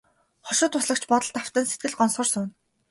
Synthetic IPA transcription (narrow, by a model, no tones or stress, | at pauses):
χɔʃʊ̆ːt̪ʰʊsɮə̆k̚t͡ɕʰpɔt̪ɞ̆ɬt̪aw̥t̪ə̆ːnset̪̚ɡɘ̆ɮɢɔnsχɞ̆rsʊːn